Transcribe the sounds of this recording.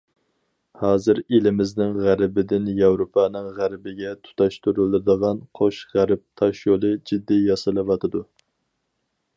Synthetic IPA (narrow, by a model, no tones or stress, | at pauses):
hɑːzɨɾelɪmɪznɪŋʁæɾɪbɪd̪ɪnjɑwɾopʰɑnɨŋʁæɾbɪɡʲɛt̪ʰu̥t̪ʰɑʃt̪ʰuɾɨlˠɨd̪əʁɑnqʰoʃʁæɾɪp̚t̪ʰɑʃjolˠɨd͡ʒid̪ːijɑsɨlˠɨvɑt̪ʰɨd̪u